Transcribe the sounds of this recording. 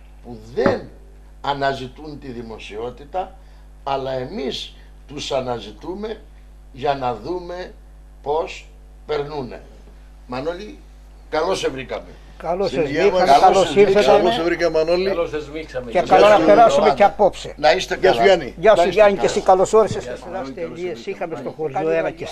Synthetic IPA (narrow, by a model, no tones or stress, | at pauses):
puðen | ɐnɐzit̪unt̪iðimosio̞t̪it̪ɐː | lɐe̞mis | t̪usɐnɐzit̪ume | ʝɐnɐðume | pos | peɾnunḛ | mɐnoli | kɐlosevɾikɐme | kɐlosezikɐmekɐlosiɾθet̪eosevɾikɐmɐnolizmiksɐmceɐlonɐfeɾɐsɐmeceɐpopsenɐist̪esɐniʝɐsuʝɐnicesikɐlosoɾeseseseɾɐst̪eliesixɐmest̪oxoɾʝoeɾɐce